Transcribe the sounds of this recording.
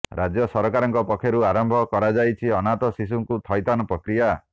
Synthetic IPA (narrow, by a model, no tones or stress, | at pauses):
ɾad͡ʒjɔsɔɾɔkaɾɔŋkɔpɔkʰːjɔɾuaɾɔmbʱɔkɔɾad͡ʒajt͡ʃʰiɔnat̪ɔsis̬uŋkut̪ʰɔjt̪anɔpɾɔkɾija